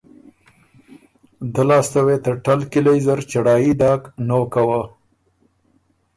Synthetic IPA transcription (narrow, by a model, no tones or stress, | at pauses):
d̪əlɑst̪awet̪əʈalkilajzəɾt͡ʃaɽɑjid̪ɑknokawa